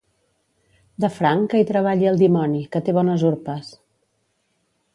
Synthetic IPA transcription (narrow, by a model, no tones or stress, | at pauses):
d̪əfɾaŋkəit̪ɾəβ̞aʎiəlˠd̪imɔnikət̪eβɔnəzuɾpəs